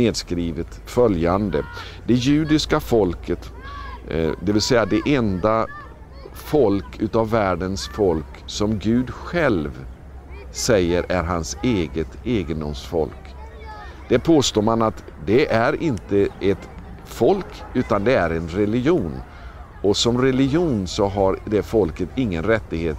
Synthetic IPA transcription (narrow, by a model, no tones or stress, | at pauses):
neːd̪skɾiːvət̪ | fœljand̪ə̰ | d̪̥ɛjʉ̟ːd̪ɪskafɔlkʰət̪ | d̪ɛvɪlsɛjːad̪ɛʔɛnd̪a | fɔlkʉ̟ːt̪avːæːɖənsfɔlk | sɔmɡʉ̟ːd̪ɧɛlv | sɛjːəɾʔæɾɦanseːɡət̪eːɡənd̪ʊmsfɔ̰lk | d̪̥æɾpʰoːst̪oːɾmanat̪d̪ɛʔæɾɪnt̪əɛt̪ | fɔlkʉ̟ːt̪and̪ɛæɾɛnɾɛlɪɡjuːn | ɔsɔmɾɛlɪɡjuːnsɔɦaɾd̪ɛfɔlkət̪ɪŋːənɾɛt̪ːɪɡheːt̪